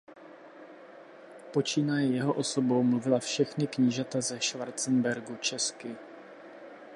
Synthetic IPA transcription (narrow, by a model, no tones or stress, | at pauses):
po̞t͡ʃiːnajɛjɛɦo̞ʔo̞sobowmluvɪlafʃɛxnɪkɲiʒat̪azɛʃvaɾt͡sɛnbɛɾɡut͡ʃɛskɪ